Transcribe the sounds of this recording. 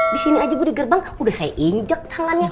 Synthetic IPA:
disiniad͡ʒabudiɡərbaŋ | udahsajaʔiɲd͡ʒək̚t̪ʰaŋanɲa

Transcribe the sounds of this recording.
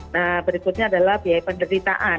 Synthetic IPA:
nabəɾikʊt̪̚ɲaːdalahpiajpəndəɾit̪a̰ʔa

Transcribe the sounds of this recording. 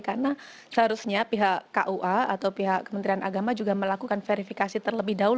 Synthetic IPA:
karna | səɦaɾusɲapiɦaʔaʔuʔaat̪awpiɦaʔkːəmənt̪ɾianaɡamad͡ʒuɡaməlakukanfeɾifikasit̪ərləbɪhdaul

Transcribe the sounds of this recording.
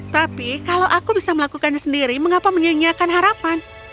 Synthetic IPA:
t̪apikalawʔakubisaməlakukanɲasəndiɾiməŋapaməɲaɲiakanɦaɾapan

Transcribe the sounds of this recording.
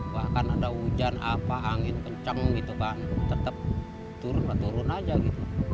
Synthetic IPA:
bahkanadaud͡ʒanapaːŋɪnkəɲt͡ʃəŋɡit̪ukant̪ət̪əp̚ | t̪uɾʊnkat̪uɾʊnad͡ʒaɡit̪u

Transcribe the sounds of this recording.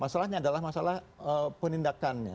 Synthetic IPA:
masalahɲaːdalahmasalahəpənindakanɲa̰

